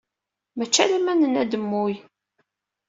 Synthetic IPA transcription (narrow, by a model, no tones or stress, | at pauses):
mæt͡ʃːælæmænənæd̪əmːuj